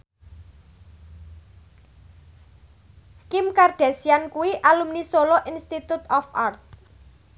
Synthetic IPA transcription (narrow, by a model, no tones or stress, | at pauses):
kɪmkarɖ̪̥a̤siankuwiʔalumnisolɔʔinst̪it̪ut̪ɔfart̪̚